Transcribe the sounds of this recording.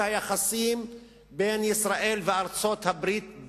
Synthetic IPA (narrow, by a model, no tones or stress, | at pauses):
hajaχasim | benisʁaʔe̞lveaʁt͡so̞t̪habʁit̪̚b